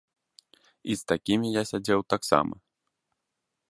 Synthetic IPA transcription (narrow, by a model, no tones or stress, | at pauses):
ist̪akʲimʲijasʲad͡zʲɛwt̪aksa̰mɐ̰